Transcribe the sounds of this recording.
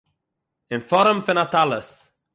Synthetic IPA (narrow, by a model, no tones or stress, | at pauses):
ɪ̃nfɔɾə̃mfə̃nat̪aləs